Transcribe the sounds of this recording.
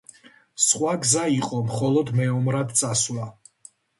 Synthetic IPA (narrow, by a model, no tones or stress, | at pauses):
sχwaɡzaiqʼɔmχɔlˠɔd̪mɛɔmɾad̪t̪sʼaswa